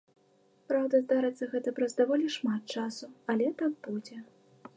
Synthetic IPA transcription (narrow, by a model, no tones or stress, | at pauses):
pɾawd̪ɐzd̪aɾɨt̪sːɐɣɛt̪ɐpɾɐzd̪avɔlʲiʂmat̪̚t͡ʂasuɐlʲɛt̪ak̚bud͡zʲɛ